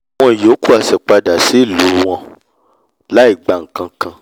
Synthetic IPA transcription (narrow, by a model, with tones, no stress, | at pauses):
w̃ɔ̃˦i˨jo˨˦ku˦˨a˨sɛ˨k͡pa˧da˨si˨˦i˦˨lo˨˦˧w̃ɔ̃˧ | la˦i˦˨ɡ͡ba˨ŋ̩˨kã˧˨kã˧